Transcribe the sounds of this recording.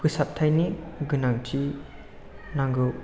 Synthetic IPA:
pɯsap̚tʰajniɡɯnaŋtʰi | naŋɡɯ

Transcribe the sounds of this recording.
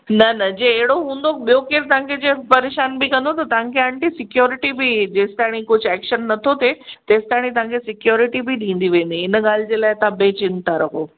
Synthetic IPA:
nɐnɐd͡ʑeeɦɪɽoɦũːn̆d̪okɓijokeːɾt̪ɐʋãkʰed͡ʑeːpɐɾeːʃaːnbɪkɐ̃nd̪ot̪ɐt̪ɐʋ̤ãkʰeəɳʈisɪkjoːɾɪʈibid͡ʑeːsɪ̥t̪aːɽ̃ikʊd͡ʑʱɛːkʃənːɐt̪ʰot̪et̪eːsɪ̥t̪aːɽ̃it̪̬ɐʋ̤ãŋkʰesɪkjoːɾɪʈibid̪ʱĩːn̆d̪iʋẽːn̆d̪iɪnɠaːl̤ɪd͡ʑeːlaːɪt̪ɐãbet͡ɕɪnt̪aɾɐɦoː

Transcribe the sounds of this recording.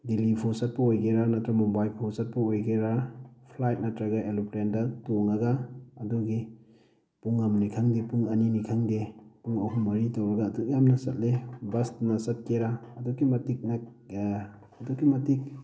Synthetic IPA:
dilipʰosat̚pɐojɡeɾanatɾamɔbajlpʰɔsat̚pɐojɡeɾapʰlajt̚natɾaɡaelupɾendɐtoŋaɡaːdɔɡi | puŋamnikʰaŋdepuŋaninikʰaŋdepuŋɔɦumːɐɾitawɾɐɡaːdɔkjamnɐsɐt̚lebɐstnasɐt̚keɾaːdɔkːimɐtik̚na | ɐdɔkːimɐtik̚

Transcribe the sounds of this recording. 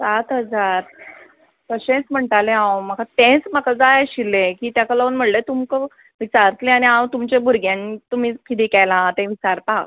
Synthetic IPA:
sat̪ɦəd͡zaɾ | kəɕẽt͡sm̤əɳʈalẽɦãwmakat̪ẽt͡smakad͡zajeɕilːẽkiːt̪jakələənm̤əɽlet̪umkə | ʋit͡ɕaɾt̪lẽañiãwt̪umt͡ɕẽbʱuɾɡjãnit̪um̤iːkit̪iːkɛlãt̪ẽʋit͡ɕaɾt̪ak

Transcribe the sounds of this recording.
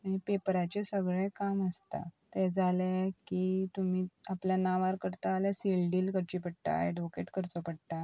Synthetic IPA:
mipepɾat͡ɕesəɡɭɛ̃kaməst̪a̰t̪ɛd͡zalakit̪um̤iːapljanaʋaɾkəɾt̪aːlasilɖiːlkəɾt͡ɕipəɽʈa̰jɖokeʈkəɾt͡sɔpəɽt̪a

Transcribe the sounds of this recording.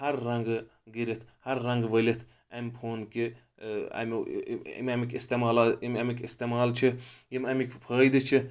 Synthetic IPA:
hɐɾːɐŋɡɡiɾit̪ʰhɐɾːɐŋɡʋɐlit̪ʰ | ɐmʲpʰoːnki | ɐ̰m̰ | mʲɐmikʲist̪emaːlamʲɐmikʲist̪emaːlt͡ʃʰijimɐmikʰʲpʰəːjd̪ɨt͡ʃʰi

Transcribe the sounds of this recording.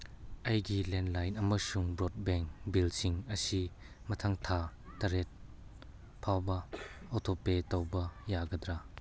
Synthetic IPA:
ʔɐjɡilɛndlɐjnɐmɐsuŋbɾɔt̚bɛŋkbilsiŋɐsi | mɐt̪ʰɐŋt̪ʰatɐɾɛt̚ | pʰawbɐɔt̪ʰɔpetɐwbɐjaɡɐd̪ɾa

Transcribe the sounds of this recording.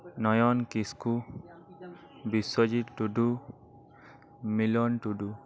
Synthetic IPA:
nɔjɔnkisku | biswɔd͡ʒitʈuɖu | milɔnʈuɖu

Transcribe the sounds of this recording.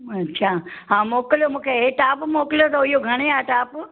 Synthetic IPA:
ɐtːɕʰaɦãːmoːkljomũːkʰeeʈaːpmoːkɪljot̪ʰoɦʊijoɡʱɐɽ̃eaːʈaːp

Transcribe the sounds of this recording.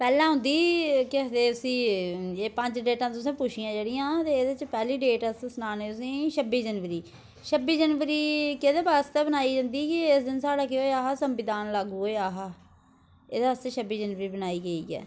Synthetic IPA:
pɛːlãːɦʊ̃nd̪iːkɪd̪eːʊsĩːeːpə̃ɲd͡ʒɖeːʈãːt̪ʊs̬ẽːpʊʃijãːd͡ʒeːɽɪjãːt̪eːd̪et͡ʃpɛːliːɖeːʈəssnaːneːt̪ʊsĩːʃəbiːd͡ʒənʋəɾiː | ʃəbiːd͡ʒənʋəɾiːked̪eːbast̪ɛːbənaːiːd͡ʒə̃nd̪iːkɪɪsd̪ɪnsaːɽaːkɪɦoːeaːɦaːsəmʋɪd̪aːnlaːɡuːoːaːɦaː | eːd̪eəseʃʰəbiːd͡ʒənʋəɾiːbənaːiːɡəiːɡɛ̰ː

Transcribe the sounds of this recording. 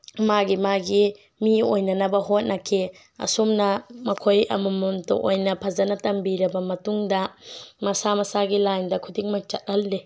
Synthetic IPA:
maɡimaɡi | miojnɐnɐbɐɦot̚nɐkʰi | ɐ̰sumnɐmɐkʰojɐ̰mumuntṵʔojnɐpʰɐzɐnɐtɐmbiɾɐbɐmɐtuŋdɐmɐsamɐsaɡilajndɐkʰudiŋmak̚t͡ʃɐ̰t̚hɐlːe

